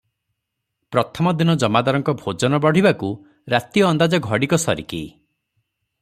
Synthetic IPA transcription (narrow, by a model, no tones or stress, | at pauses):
pɾɔt̪ʰɔmɔd̪inɔd͡ʒɔmad̪aɾɔŋkɔbʱod͡ʒɔnɔbɔɽ̤ibaku | ɾat̪iɔːnd̪ad͡ʒɔɡʱɔɽikɔsɔɾikḛ